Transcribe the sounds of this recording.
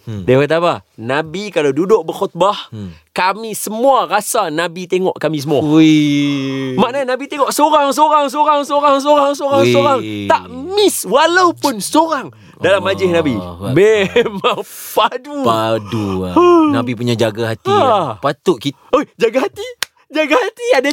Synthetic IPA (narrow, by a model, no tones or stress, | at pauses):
dapat̪̬apanabikalawdudʊʔ̚bərxɔt̪̚bahkamĩsəmuarasanabit̪eŋɔʔkamĩs̬əmua | maʔnanabit̪eŋɔʔsoɾaŋs̬oɾaŋs̬oɾaŋsoɾaŋs̬oɾaŋs̬oɾaŋsoɾaŋt̪aʔmɪswalawpʊnsoɾaŋ | dalamːad͡ʒɪhnãbimemaŋpadupadunabipuɲad͡ʒaɡaɦat̪ipat̪ʊʔki | od͡ʒaɡaɦat̪i | d͡ʒaɡahat̪iada